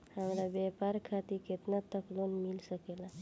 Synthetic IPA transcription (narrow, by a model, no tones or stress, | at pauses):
həmɾabɛpaɾkʰat̪iket̪nat̪əklonmilsəkela